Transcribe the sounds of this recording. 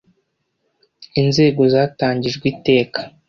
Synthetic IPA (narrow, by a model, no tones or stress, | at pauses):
inze̞ːɡo̞zaːtaːɲɟiʒɡwiːte̞ːkḁ